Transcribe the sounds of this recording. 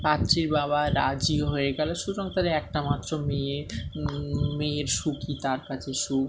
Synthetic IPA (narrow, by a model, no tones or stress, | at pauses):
pat̪ːɾiɾbaβaɾad͡ʑioɦoeɡɛleʃuɾɔŋt̪aɾeɛk̚ʈamat̪ːɾome | meɾʃukit̪aɾkat͡ɕʰeʃu